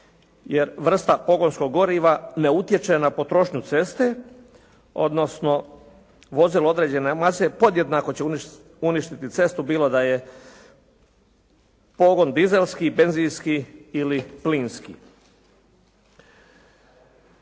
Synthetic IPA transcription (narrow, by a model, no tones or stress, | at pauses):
jeɾʋr̩st̪apo̞ɡo̞nsko̞ɡːo̞ɾiʋaneut̪je̞t͡ʃenapo̞t̪ɾo̞ʃɲut̪se̞st̪e̞ | o̞̰d̪no̞sno̞ | ʋo̞ziloo̞d̪ɾe̞ːd͡ʑe̞nemasepo̞d̪jed̪naːko̞t͡ɕe | uniʃt̪it̪it̪se̞st̪ubiːlˠod̪aje | po̞ɡo̞nd̪ize̞lskibe̞nzinskiilipliːnskḭ